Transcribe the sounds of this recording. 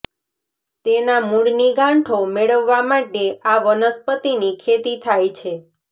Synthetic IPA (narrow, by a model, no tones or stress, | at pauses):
t̪enamuɽniɡãɳʈʰomeɭəʋːamaʈeaʋənəspət̪inikʰet̪it̪ʰajt͡ʃʰe